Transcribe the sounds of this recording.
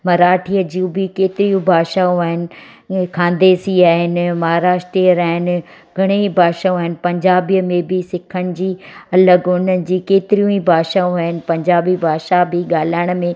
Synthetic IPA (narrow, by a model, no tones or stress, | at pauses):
mɐɾaːʈʰiːəd͡ʑiũbɪkeːt̪ɪɾijũbʱaːʃaũaːɦɪnɪ̆ | kʰãːnd̪eːsiaːɦɪnɪ̆mɐɦaːɾaːʃʈɾiəɾaːɦɪnɪ̆ | ɡʱɐɽ̃eibʱaːʃaːũaːɦɪnɪ̆pɐ̃ɲd͡ʑaːbijəmẽbɪsɪkʰəɽ̃ɪ̆d͡ʑiːɐləɡʊnənɪ̆d͡ʑiːkeːt̪ɪɾijũibʱaːʃaːũaːɦɪnɪ̆pɐ̃ɲd͡ʑaːbibʱaːʃabɪɠaːlaɪɽ̃mẽ